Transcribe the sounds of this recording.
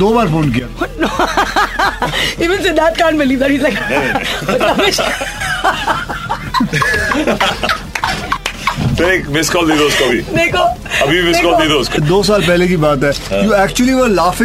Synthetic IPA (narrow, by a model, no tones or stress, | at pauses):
d̪oːbaːɾfõːnkijano | iːʋɪ̃nsed̪æʈ̚kãːɳbɪliːʋd̪æʈiːzlak | ɐmɪʃ | beːkmɪskɔːld̪iːd̪oʊskoɐbʱid̪eːkoɐbʱibimɪskɔːld̪iːd̪oʊskod̪oːs̬aːlpɛɦlek̬ibaːt̪ɦɛːjuːɛːk̚t͡ʃuəliʋəɾlaːfɪ̃